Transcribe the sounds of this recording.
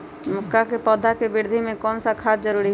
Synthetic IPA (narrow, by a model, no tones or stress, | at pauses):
mʊkːakepɔːd̪ʱakebɪɾd̪ʱimẽkɔːnsakʰaːtd͡ʒəɾuːɾiɦ